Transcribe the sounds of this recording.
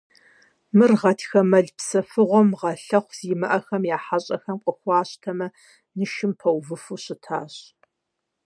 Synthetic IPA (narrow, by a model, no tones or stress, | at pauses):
mɨrʁɐtʰxɐmɐɮpsɐfɨʁʷɔmʁɐɬɐχʷz̥iːmɨʔɐxɐmjaːħaɕʼɐxɐmqʷʼʊxʷɑːɕtʰɐmɐ | nɨʃɪmpʰɐwvɨfuɕɪtʰa̰ːɕ